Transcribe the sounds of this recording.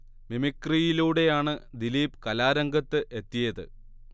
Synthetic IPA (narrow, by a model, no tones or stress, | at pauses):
mimikːrijiluːɽe̞jaːɳɨd̪iliːpkɐlaːɾɐŋɡɐt̪ːɨʔe̞t̪ːijɐðɨ̰